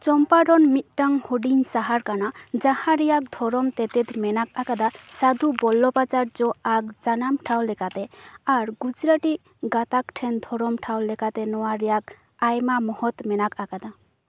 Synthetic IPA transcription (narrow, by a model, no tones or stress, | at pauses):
t͡ʃɔmpaɖɔnmit̪̚ʈaŋhoɖiŋsaɦaɾkanad͡ʒahãɾijak̚d̪ʱɔɾɔmt̪ɛt̪et̪mɛnak̚akad̪asad̪ubɔlːɔpat͡ʃaɾd͡ʒɔaɡ̚d͡ʒanamʈʰawlɛkat̪ɛaɾɡud͡ʒɾaʈi | ɡat̪akʈʰɛnd̪ʱɔɾɔmʈʰawlɛkat̪ɛnɔwaɾijak | ajmamɔhɔt̪mɛnakakad̪a